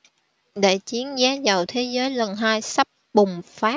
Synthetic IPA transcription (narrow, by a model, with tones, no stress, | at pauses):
ɗe˧˩t͡ɕi˨˦ənzaː˨˦zə˨˩wt̪ʰe˨˦zəː˨˦jlə˨˩nɦaː˧jsə˦˥p̚ɓʊ˨˩ŋ͡mfaː˦˥